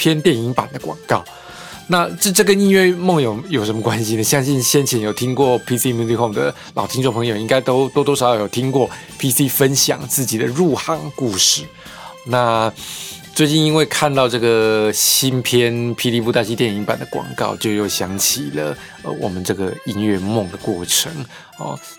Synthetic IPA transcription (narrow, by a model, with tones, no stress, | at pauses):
pʰjɛ˥nt̪jɛ˥˩ni˧˥ŋpa̰˨˩nd̪ə˦kwɑ̰˨˩ŋkɑ˥˩ʊ | na˥˧ʈ͡ʂ̩˥˧ʈ͡ʂɤ˥˩ɡə˨ni˥˧wɥɛ˥˩mo˥˩ŋjo˨˩ʊjo˨˩ʊʂə˧˥mə˧kwa˦nɕi˧nə˨ɕjɑ˥ŋɕi˥˩nɕjɛ˥nt͡ɕʰjɛ˧˥njo˨˩ʊt̪ʰi˥ŋkwɔ˥˩pʰi˥si˦mu˥t̪i˥kʰɔ˥˩ŋd̪ə̰˩ | lɑ˨˩ʊt̪ʰi˥nʈ͡ʂŋpʰɤ˧˥ŋjo˨˩ʊi˥ŋka˥ɪt̪o˥ʊt̪wo˥t̪wɔ˥ʂɑ˨˥˦jjo˨˩t̪ʰi˥ŋkwɔ˥˩ | pʰi˥si˥fə˦nɕjɑ̰˨˩ŋt͡sɹ̩˥˩t͡ɕi˨˩d̪ə˦ɻu˥˧xa˥˧˩ŋku˥˧ʂɻ̩˥˩ | na˥˧ | t͡swe˥˧ɪt͡ɕi˥˩ni˥nwe˥˧ɪkʰa˥˧nt̪ɑ˥˧ʊʈ͡ʂɤ˥˩ɡə˩ɕi˥npʰjɛ˦npʰi˧˥li˥pu˥˧t̪a˥˧ɕi˥t̪jɛ˥˩ni˧˥ŋpa̰˨˩nd̪ə˦kwɑ̰˨˩ŋkɑ̰˥˧ʊt͡ɕjo˥˧ʊjo˥˩ʊɕjɑ˧˥ŋt͡ɕʰi˨˩lə̰˦ | ə̰˧˩wʔɔ̰˨˩mə˦nʈ͡ʂɤ˥˩ɡə˩i˥nɥɛ˥˧mʊ˥˩ŋd̪ə˩kwɔ˥˩ʈ͡ʂʰɤ˧˦ŋ | ɔ̰˧˩